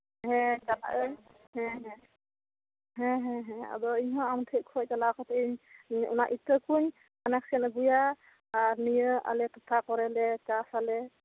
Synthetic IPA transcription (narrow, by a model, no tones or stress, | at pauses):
ɦɛ̃d͡ʒala̰ʔɛ | ɦɛ̃ɦɛ̃ | ɦɛ̃ɦɛ̃ɦɛ̃a̰dɔiɲɦɔ̃amt̪ʰɛʔ̚kʰɔjtalakɔt̪ʰiɲṵnaʔitəkuɲ | manak̚sɛnɡujaː | ɾnijəʔa̰lɛt̪ʰɔt̪ʰakɔɾɛlɛt͡ʃasalɛ